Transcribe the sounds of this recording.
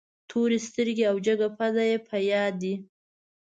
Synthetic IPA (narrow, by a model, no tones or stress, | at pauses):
t̪ʰoɾest̪əɾɡeawd͡ʒaɡapʰazajepʰajɑd̪ːi